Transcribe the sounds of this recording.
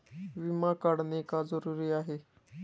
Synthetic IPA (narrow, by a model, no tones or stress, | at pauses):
ʋimãkəɽnekazəɾuːɾiaːɦe